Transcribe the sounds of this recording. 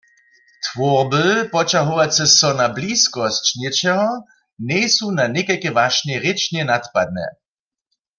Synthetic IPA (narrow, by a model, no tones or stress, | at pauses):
t̪vɔʁbəpɔt͡ʃaɦuʋat͡sɛsɔnabliːskɔst͡ʃnɛt͡ʃɛɦɔ | nɛjsunanɛkakɛvaʃnɛʁɪt͡ʃnjɛnat̪pad̪̚nɛ̰